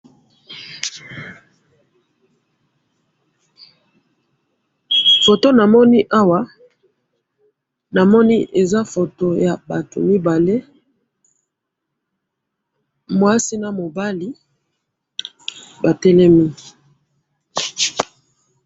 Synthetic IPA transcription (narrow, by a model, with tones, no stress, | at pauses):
fo˨to˦na˨mɔ˦ni˦ʔa˦wa˨˦ | na˨mɔ˦ni˦ʔe˨za˦fo˨to˨ja˨ba˨to̰˨mi˦ba˨le˦ | mwa˦si˦na˨mo˨ba˦li˦ | ba˨tɛ˦lɛ˦mi˦